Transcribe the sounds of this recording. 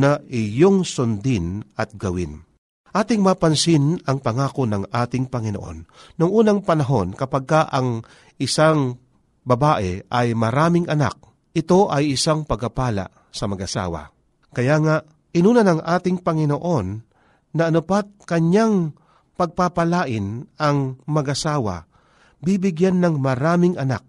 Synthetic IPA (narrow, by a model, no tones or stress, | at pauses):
naʔɪjoŋsʊnd̪ɪnɐt̪̚ɡɐwɪ̰n | ʔaːt̪ɪŋmaːpɐnsɪnɐŋpɐŋaːkonɐŋʔaːt̪ɪŋpɐŋɪnoʔo̞̰nːʊŋʔuːnɐŋpɐnɐɦo̞nkɐpaɡ̚kaʔɐŋ | ʔɪsaŋ | bɐbaːʔɛʔɐjmɐɾaːmɪŋʔɐna̰k̚ | ʔɪt̪o̞ʔɐjɪsaŋpɐɡɐpaːla̰ʔ | sɐmɐɡʔɐsa̰ːwa̰ | kɐjaŋaʔ | ʔɪnuːnɐnɐŋʔaːt̪ɪŋpɐŋɪnoʔo̞nː | ɐʔɐnʊpat̪̚kɐɲaŋ | pɐɡ̚papɐlaːʔɪnɐŋmɐɡɐsaːwɐ̰ | bibɪɡjanːɐŋmɐɾaːmɪŋʔɐna̰k̚